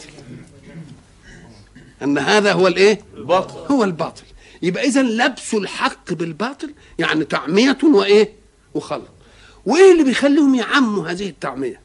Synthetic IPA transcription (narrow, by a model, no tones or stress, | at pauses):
ʔanːɦaːðaɦʊwːalʔeːhʊwːalbɑːt̪ˤɨ̥l | jɪbʔaʔɪzanlabsʊlħɑqːbɪlbɑːt̪ˤɨl | ja̰ʕnit̪aʕmɪjat̪ʊwɪʔeː | wɪxɑlɑt̪ˤ | wɪʔeːlːibɪjxalːuːhʊmjɪʕamːuɦaːðɪhɪt̪ːaʕmɪja